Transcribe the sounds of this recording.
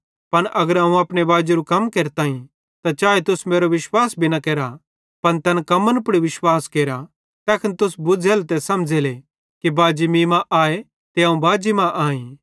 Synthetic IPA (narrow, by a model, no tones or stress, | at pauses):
pɐnʔɐɡəɾaːũaːpnebaːd͡ʒiɾukɐmkeːɾt̪aːĩ | t̪at͡ʃaːet̪ʊsmeːɾoʋɪʃwaːsbʱinɐkeːɾa | pɐnt̪ɛnkɐmənpʊɽiʋɪʃwaːskeːɾa | t̪ɛːkʰənt̪ʊsbʊd͡zeːlt̪ɛsɐmd͡ʒele | kibaːd͡ʒimĩːmãʔaːe | t̪eaːũbaːd͡ʒimãʔaːĩː